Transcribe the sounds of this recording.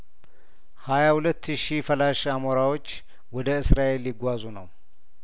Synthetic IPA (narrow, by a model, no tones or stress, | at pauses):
hajahulət̪ːʃifəlaʃamoɾawo̞t͡ʃː | wɔd̪əɨsɾaʔe̞ljɪɡʷːazunəw